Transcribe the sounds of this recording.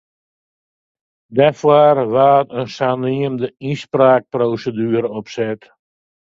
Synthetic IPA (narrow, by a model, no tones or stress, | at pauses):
dɛfwaːrʋaːtənsaniəmdəispraːk̚proːsədyːɾəɔpsɛt